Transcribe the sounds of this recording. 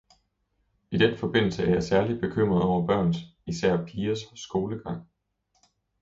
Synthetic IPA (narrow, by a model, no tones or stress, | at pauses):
id̥enfɒ̽b̥e̝n̰l̩səæɐjɑ̈ɪsæɐli̥b̥e̝kʰøm̰ʁɐðˠɒʊɐb̥ɶɐ̰nisæɐ̰pʰiːɐsɡ̥o̝ːləɡ̥ɑ̈ŋ̰